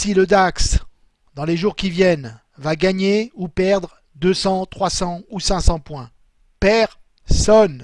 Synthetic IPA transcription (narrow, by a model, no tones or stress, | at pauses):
siləd̪aks | d̪ɑ̃leʒuʁkʲivjɛn | vaɡaɲeupɛʁd̪ʁ | d̪øsɑ̃t̪χwasɑ̃usɛ̃sɑ̃pwɛ̃ | pɛʁ | sɔn